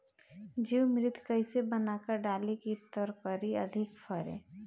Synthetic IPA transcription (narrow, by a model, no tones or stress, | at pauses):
d͡ʒiwmɾɪt̪ʰkəisebənakəɾɖaːlekit̪əɾpəɾiɐ̰d̪ʱɪkfʰəɾḛː